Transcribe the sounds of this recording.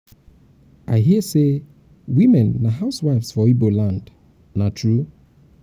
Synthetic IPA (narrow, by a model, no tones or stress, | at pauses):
ʔaɪɦiəse | wimɛ̃nːaɦaʊswaɪfsfɔibolãnd | natʰɹu